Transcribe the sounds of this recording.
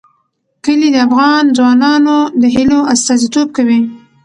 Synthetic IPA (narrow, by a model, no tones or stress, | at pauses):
kəlid̪əafɣɑnzwɑnɑnod̪əɦɪloast̪ɑzit̪ob̚kawi